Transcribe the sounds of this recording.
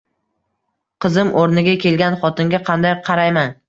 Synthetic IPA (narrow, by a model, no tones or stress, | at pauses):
qʰɨzɪmʔoɾnɪɡʲakʲʰe̞lɡʲanχɒt̪ɪŋɡʲaqʰɑnd̪ajqʰɑɾajman